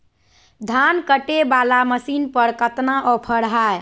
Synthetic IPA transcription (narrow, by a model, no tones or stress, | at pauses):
d̪ʱankəʈebalaməsinpəɾkət̪naʔopʰəɽɦaj